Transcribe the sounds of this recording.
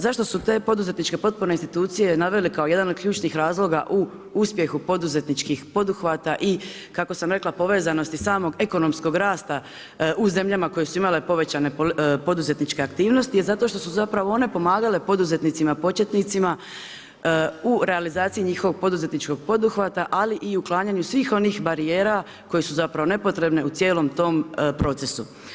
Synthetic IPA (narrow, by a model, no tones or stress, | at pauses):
zaʃt̪o̞sut̪e̞ːpo̞d̪uze̞t̪nit͡ʃke̞po̞t̪̚puɾneinst̪it̪uːt̪sije̞naʋe̞likao̞je̞d̪anod̪̚kʎʲuːt͡ʃnixɾaːzlˠo̞ɡaʔu | uspje̞xupo̞d̪uze̞t̪nit͡ʃkixpo̞d̪uxʋat̪aʔi | kako̞samɾe̞klˠapo̞ʋe̞ːzano̞st̪isaːmo̞ɡe̞ko̞no̞msko̞ɡɾaːst̪a | uze̞mʎamako̞jesuimale̞po̞ʋe̞t͡ɕane̞po̞d̪uze̞t̪nit͡ʃke̞akt̪iːʋno̞st̪ijezat̪o̞ʃt̪o̞suzapɾaʋo̞o̞ne̞po̞maːɡale̞po̞d̪uze̞t̪nit̪simapo̞t͡ɕjet̪nit̪sima | uɾe̞alizaːt̪sijiɲiːxo̞ʋo̞ɡ̚po̞d̪uze̞t̪nit͡ʃko̞ɡ̚po̞d̪uxʋat̪aʔaliʔiuklˠaːɲaɲusʋiːxo̞niːxbaɾije̞ːɾa | ko̞je̞suzapɾaʋo̞ne̞po̞t̪ɾe̞bne̞ut̪sje̞ːlo̞mt̪o̞ːmpɾo̞t̪se̞su